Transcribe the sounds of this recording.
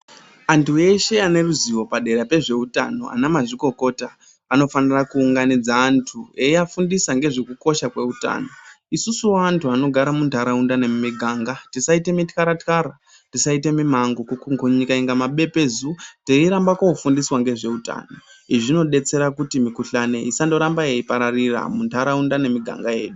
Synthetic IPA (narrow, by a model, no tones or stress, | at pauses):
antʰue̞ʃe̞ane̞ruziwo̞paɗe̞ɾape̞ʐe̞uta̰no̞̰a̰namaʐiko̞ko̞ta | ano̞fanirakuːŋɡanid͡zaːntʰueiafundisaŋɡe̞ʐe̞kuko̞ʃakwe̞uta̰no̞ | isusuwaːntʰuano̞ɡʱaɾamuntaɾaundanemiɡʱaŋɡatisaite̞mitkaɾatkaɾa | tisaite̞mimaŋɡokukuŋɡuɲikaiŋɡamaɓe̞pe̞zuteiɾambakoufundiswaŋɡe̞ʐe̞uta̰ːno̞ | iʐino̞ɗe̞t͡se̞ɾakutimikuɬane̞isando̞ɾambajeipaɾarira̰muntʰaɾaundane̞miɡʱa̰ŋɡaje̞̰ːɗu